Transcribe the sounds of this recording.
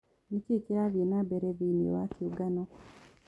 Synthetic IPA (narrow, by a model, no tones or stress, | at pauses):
nicikiɾaβenabeɾeβiːnḭwakuɡano